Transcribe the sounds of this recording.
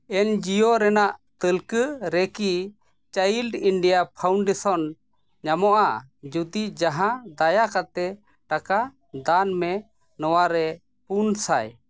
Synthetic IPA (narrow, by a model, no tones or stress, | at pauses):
ɛnd͡ʒijɔɾɛnaʔt̪əlkəɾɛki | t͡ʃəjilɖiɳɖijapʰawɳɖɛsɔn | ɲamɔʔad͡ʒud̪id͡ʒaɦãd̪ajakat̪ɛ | ʈaka | d̪anmɛ | nɔwaɾɛ | punsaj